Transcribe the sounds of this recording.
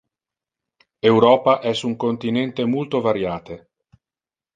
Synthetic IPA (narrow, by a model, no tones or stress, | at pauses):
ewɾɔːpaʔɛsuŋkont̪inɛnt̪emolt̪ovaɾjaːt̪e